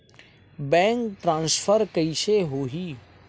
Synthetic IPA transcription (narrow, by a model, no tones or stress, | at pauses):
bɛ̃ːŋkʈɾãːnsfʰəɾkəiseɦoɦiː